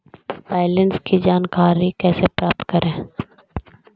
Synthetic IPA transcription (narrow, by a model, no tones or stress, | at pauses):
ʋaːɪlənskid͡ʒaːnkaːɾikɛːsepɾaːp̚t̪kɐɾẽː